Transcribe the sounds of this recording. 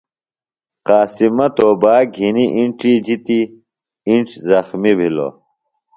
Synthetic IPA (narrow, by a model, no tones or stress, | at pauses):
qaːsimɐt̪oːbaːɡʱiniʔiɳʈ͡ʂiːd͡ʑit̪i | iɳʈ͡ʂzɐxmibʱilo̰